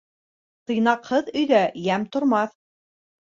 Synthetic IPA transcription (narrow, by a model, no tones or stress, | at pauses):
t̪ɤ̆jnɑqhɤðɵ̆jðæjæmt̪ŏɾmɑθ